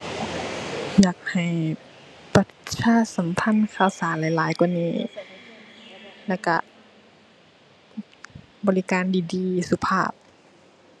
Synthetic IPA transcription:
jaː˨˩k̚ha˨˩j | pa˧˩saː˧˥˨sa˨˦mpʰa˧˥˨nkʰaː˧˩˨wsaː˨˦nlaː˨˦jlaː˨˦jku˧˨niː˧˩ | lɛ˧˩wka̰˧˩ | bɔː˧˦li˦˧kaː˧˨ndiː˧˩diː˧su˧pʰaː˧˩p̚

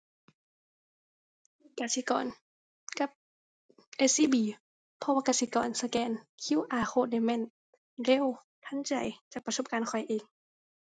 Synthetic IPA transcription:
ka˧˩si˧˦kɔ̰ː˨n | ka˧˦p̚ | ʔe˧siː˧˥˨biː˨˩˦ | pʰɔ˧waː˧ka˧˩si˧˦kɔ̰ː˨˩nsa˧kɛː˧˨nkʰi˧˥˨wʔaː˨˧˩xʰoː˧˨da˧˩jmɛː˧˥˨n | le˧˥˨w | t̪ʰa˧˥˨nt͡ɕa̰˨˩jt͡ɕaː˨˩k̚pa˧so˧˦p̚kaː˨˧˨nkʰɔ˨˩jʔeː˨˩ŋ

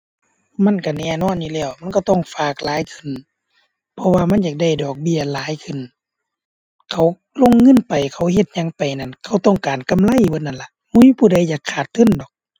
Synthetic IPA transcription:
ma˧˥˨nka˧˩nɛː˧˩nɔː˧˨njuː˧lɛː˧˩˨wma˧˨nkɔ˧˩t̪ɔ˧˥˨ŋfaː˧˩k̚laː˨˦jkʰɯ˧˩˨n | pʰɔ˧waː˧ma˧˥˨njaː˧˩k̚da˧˩jdɔː˨˩k̚bi˧˩˨ɐlaː˨˦jkʰɯ˧˩˨n | kʰa˧˩w | lo˧˥˨ŋːɤ˧˥˨npa˨jkʰa˧˩whe˧t̪̚ɲa˧˥ŋpa˨jna˧˩˨nkʰa˧˩wt̪ɔ˧˩˨ŋkaː˨nka˧˨mla˧˥˨jbo˧˥nːa˧˥˨nla˧˦ʔmu˧˨i˧˨pʰuː˧˩da˧˩jːaː˨˩kʰːaː˨˩t̪ʰːɯ˧˥˨ndɔː˨˩k̚

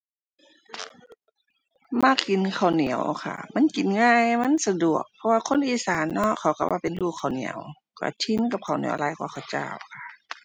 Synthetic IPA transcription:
maː˧˥˨ki˨nkʰa˨˩wni˨˦əwkʰa̰˧˩ma˧˥˨nki˨˦nŋaː˧˥˨jma˧˥˨nsa˧du˨˩ək̚pʰɔ˧waː˧kʰo˧˥˨nʔiː˨saː˨˦nːɔ˧˥ʔkʰa˨˩˦wka̰˧˩wʔaː˧˩pe˨nluː˧˩kʰːa˨˩wnḭ˨˦ə̰w | ka̰˧˩t̪ʰi˧˥˨nka˧˩p̚kʰa˨˩wnḭ˨˦ə˦wlaː˧˩jkwaː˧˥˨xʰa˨˩wt͡ɕa̰ː˧˩˨wkʰa˧˩

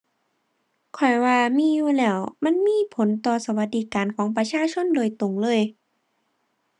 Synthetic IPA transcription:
kʰɔ˨˩jwaː˧miː˧˥˨juː˧lɛː˧˩wma˧˥˨nmiː˧˥˨pʰo˨˦nt̪ɔː˧˩sa˧wa˧t̪̚diː˧˥˩kaː˨˦nkʰɔː˨˦ŋpa˧t͡ɕʰaː˧˥˨t͡ɕʰo˧˥˨ndoː˨˩jt̪o˨˩ŋlɤː˧˥˨j

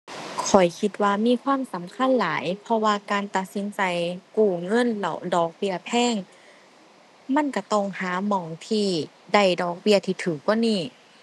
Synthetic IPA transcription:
kʰɔ˨˩jkʰi˧t̪̚waː˧miː˧˥˨kʰwaː˧˥˨msa˨˦mkʰa˧˥˨nlaː˨˦jpʰɔ˧waː˧kaː˨nt̪a˨˩t̪̚si˨˦nt͡ɕa˨jkuː˧˩ŋɤ˧˥˨nlɛ̰˧˩wdɔː˨˩k̚bi˧˩ɐpʰɛː˧˥˨ŋ | ma˧˥˨nka˧˩t̪ɔ˧˩˨ŋhaː˨˦mɔː˨˩ŋt̪ʰiː˧˩ | da˧˩jdɔː˨˩k̚bi˧ət̪ʰiː˧t̪ʰɯː˨˩k̚ːwɔː˧˥˨niː˧˩

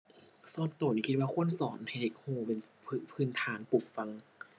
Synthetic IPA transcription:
sɔː˧˩t̪ːoː˨˩niː˧˩kʰi˧waː˧kʰu˧˥˨ənsɔ̰ː˩˦nha˧˩jde˨˧˦k̚hoː˧˩pe˧npʰːpʰɯː˧˩˨nt̪ʰaː˩˦npuː˨˩k̚fa˧ŋ

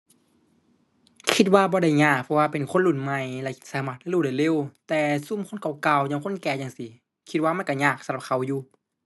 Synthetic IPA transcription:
kʰi˧t̪̚waː˧˨bɔː˧ɾa˧˩jɲaː˧˩k̚pʰɔ˧waː˧˩pe˨nkʰo˧˥˨nlu˧˩nma˧jlɛ˧˩saː˧˦maː˧˩t̪̚a˧˨luː˧˩da˧˩jle˧˨wt̪ɛː˧su˧˨mkʰo˧˥˨nkʰa˨˧˩wka˧˨wɲaː˧˨ŋkʰo˥˨nkɛː˧˩jaː˧˨ŋsi˧˦ | kʰi˧t̪̚waː˧ma˧˥˨ka˧˩ɲaː˧˩k̚sa˧mla˧p̚kʰa˧˩wjuː˧˩

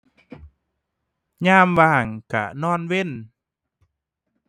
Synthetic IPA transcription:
ɲaː˧˥˨mwaː˧˩ŋka̰˧˩nɔː˧˥˨nwe˧˥˨n

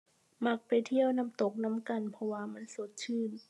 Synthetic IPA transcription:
ma˧˩k̚pa˨jt̪ʰi˧˥˩əwna˧˥˨mt̪o˨˩k̚na˧˥˨mka˧˨npʰɔ˧waː˧ma˧˥˨nso˨˦t̪̚t͡ɕʰɯː˧˥˩n

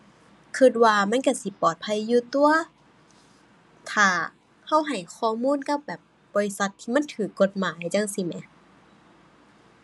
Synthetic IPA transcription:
kʰɯ˧t̪̚waː˧ma˧˥˨nka˧˩si˧˦pɔː˨˩t̪̚pʰa˧˥˨jːuː˧t̪u˧ɐ | t̪ʰaː˧˩ | ha˧˥˩wɦa˨˩jkʰɔː˧˩muː˧˥˨nka˧˥p̚bɛː˨˩p̚ | bɔː˧˨li˧sa˧t̪ʰːiː˧ma˧˥˨nt̪ʰɯː˨˩kːo˧˩t̪̚maː˨˦jt͡ɕa˧˨ŋsi˧mɛ˧˦

